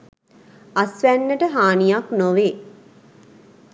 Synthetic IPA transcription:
asʋænːəʈəɦaːnijaknoʋeː

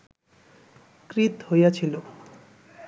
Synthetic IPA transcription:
kɾit̪hojat͡ɕʰilo

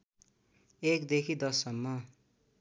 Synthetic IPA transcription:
ekd̪ekʰid̪ʌsʌmːʌ

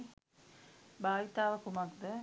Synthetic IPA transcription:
bʱaːʋit̪aːʋəkumakd̪ə

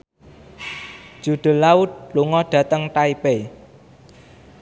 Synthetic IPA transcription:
d̥ʒ̥ṳɖ̪̥ə̤laʊt̪̚luŋɔɖ̪̥ä̤t̪əŋʈaipe

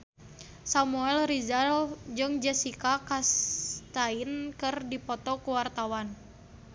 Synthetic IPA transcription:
samuɛlrizald͡ʒɨŋd͡ʒɛsikakast̪ainkɨrdipɔt̪ɔkuwart̪awan

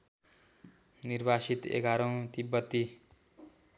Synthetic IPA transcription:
nirbasit̪ḛɡʱaɾʌ̃w̃t̪ibːʌt̪ːi

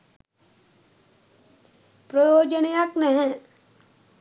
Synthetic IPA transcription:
pɾɔjoːd͡ʒənijaknɛɦɛ̃

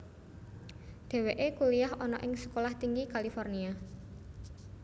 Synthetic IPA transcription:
ɖ̪̥e̤weʔekuliaɦɔnɔʔɪŋsə̥kolaht̪iŋɡikalifɔrnia

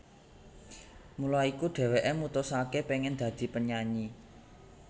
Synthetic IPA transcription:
mulaikuɖ̪̥ɛ̤weʔemut̪ʊsakepeŋɛnd̪̥ä̤d̪̥i̤pəɲaɲi

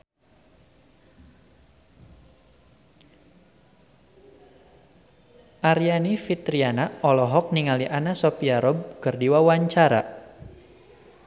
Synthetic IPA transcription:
ʔaɾianifit̪ɾianaɔlɔɦɔk̚niŋaliʔanasɔpiaɾɔb̚kərdiwawaɲt͡ʃaɾa̰

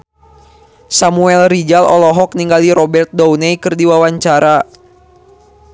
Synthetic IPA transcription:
samuɛlrid͡ʒalɔ̰lɔɦɔk̚niŋɡaliɾɔbɛrt̪̚dɔwnɛjkɨrdiwawaɲt͡ʃaɾa

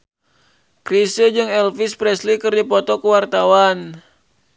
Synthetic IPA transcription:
kɾisəd͡ʒɨŋɛlfispɾɛslikɨrdipɔt̪ɔkəwart̪awan

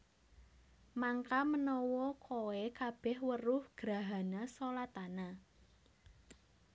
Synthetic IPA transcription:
maŋkamənɔwɔkʰoekab̥ɛhwərʊhɡ̥ɾa̤ɦanasolat̪ana

